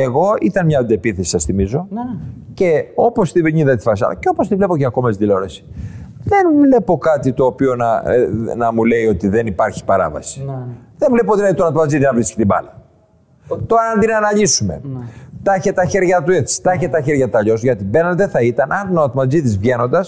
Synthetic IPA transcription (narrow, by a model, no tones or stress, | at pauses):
e̞ɣo̞it̪ɐnmɲɐd̪epiθesi̥sɐsθimizo̞ce̞o̞po̞st̪iveɲiðɐt̪i̥fɐsɐ̰lɐ̰ceo̞post̪ivle̞po̞ceɐko̞mɐszðilo̞ɾesi̥ðe̞nvle̞po̞kɐt̪it̪o̞ːpio̞nɐnɐmule̞io̞t̪iðe̞nipɐɾçi̥pɐɾɐ̰vɐ̰si̥ðenvle̞p̬oot̪inɐit̪onɐt̪mɐd͡zit̪iznɐvɾiski̥t̪ibɐ̰lɐ | t̪oɾɐɐnd̪inɐnɐʎisume̞̰t̪ɐçet̪ɐçe̞ɾʝɐt̪ue̞t͡si̥t̪ɐçet̪ɐçeɾʝɐt̪ɐʎo̞sʝɐt̪ibe̞nɐld̪eθɐit̪ɐnʔɐnt̪onɐt̪omɐd͡zit̪izvʝe̞no̞nd̪ɐs